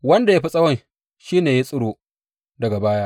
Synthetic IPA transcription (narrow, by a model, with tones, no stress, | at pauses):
wɐ˦nda˨ja˦ɸi˦sʼɐ˦wɐ˦˨n | ʃiː˦neː˨ji˦sʼʊ˦ɽoː˨ | dɐ˨ɡa˨baː˦jaː˦ʔ